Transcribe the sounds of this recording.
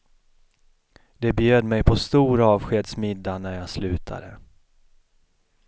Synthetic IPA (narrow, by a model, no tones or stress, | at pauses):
d̪ɛbjøːd̪mɛjpʰɔst̪uːɾaɑːvɧeːd̪smɪd̪ːanæɾjɑːɡslʉ̟ːt̪ʰa̰d̪ə